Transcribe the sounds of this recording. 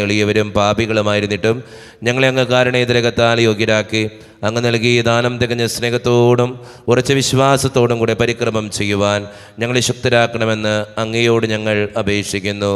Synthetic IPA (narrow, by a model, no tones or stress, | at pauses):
eɭijɐʋɐɾumpaːbiɣɐɭumaːjiɾunːiʈːum | ɲɐŋːɐɭeɐŋːɐkaːɾɐɳejd̪iɾɐɣɐt̪ːaːljo̞ːɡjɐɾaːkːi | ɐŋːenɐlkijɐd̪aːnɐmt̪eɣɐɲːɐsne̞ːɣɐt̪ːo̞ːɽum | urɐt͡ɕːɨʋiɕʋaːsɐt̪ːo̞ːɽumkuːɽepɐɾikrɐmɐmt͡ɕe̞jːuʋaːn | ɲɐŋːɐɭeɕɐk̚t̪iɾaːkːɐɳɐme̞nːɨɐŋːejo̞ːɽɨɲɐŋːɐɭɐbʱe̞ːkʂikʲːunːu